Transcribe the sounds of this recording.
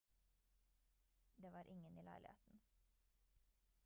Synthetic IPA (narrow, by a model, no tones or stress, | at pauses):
d̪eːʋɑːɾʔɪŋəniːlæɪlɪ̰hḛːt̪n̩